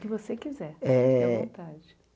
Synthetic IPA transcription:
kɪvosekizɛɾɛõt̪ad͡ʒɪ

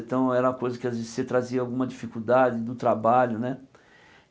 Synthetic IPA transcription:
t̪ɐ̃w̃ɛɾɐɐkojzɐkɪazvezɪset̪ɾaziɐawɡũmɐd͡ʒifikud̪ad͡ʒɪd̪ʊt̪ɾabaʎʊnɛ

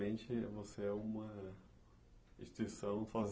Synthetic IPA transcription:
ẽnt͡ʃɪvoseɛũmɐ | iʃt̪isɐ̃w̃faz

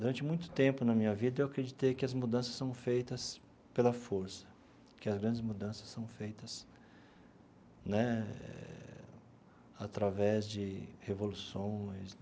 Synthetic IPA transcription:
d̪uɾɐ̃nt͡ʃɪmũj̃t̪ʊ̥t̪ẽmpʊnɐmĩɲɐvid̪ɐewakɾed͡ʒit̪ejkɪɐzmud̪ɐ̃sɐ̥sːɐ̃w̃fejt̪ɐs | pelɐfoɾsɐ̥ | kɪɐzɡɾɐ̃nd͡ʒɪzmud̪ɐ̃sɐ̥sːɐ̃w̃fejt̪ɐs | nɛɛ̰ | at̪ɾavɛzd͡ʒɪhevolusõj̃s

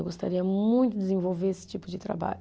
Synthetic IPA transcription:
wɡost̪a̰ɾiɐmũj̃t̪ʊd̪ɪzẽvowveɾesɪ̥t͡ʃipʊd͡ʒɪt̪ɾa̰ba̰ʎʊ

